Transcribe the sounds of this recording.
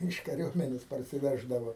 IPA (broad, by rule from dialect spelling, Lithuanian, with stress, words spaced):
ˈiːʃ kɐˈrʲuɔmʲɛnʲeːs pɐrʲsʲɪˈʋʲæːʒdɐʋoː